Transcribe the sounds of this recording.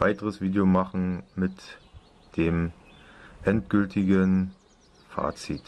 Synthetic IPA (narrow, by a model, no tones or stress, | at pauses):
v̥aɪtəʁəsv̥iːdeomaχn̩mɪt | d̥eːm | ʔɛntɡ̥ʏltɪɡən | fa̰ːt͡sḭt